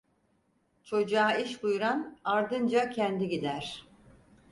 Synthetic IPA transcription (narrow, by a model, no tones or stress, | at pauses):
t͡ʃʰo̞d͡ʒaːiʃbujuɾanaɾd̪ɯnd͡ʒacʰɛnd̪iɟid̪æɾ̥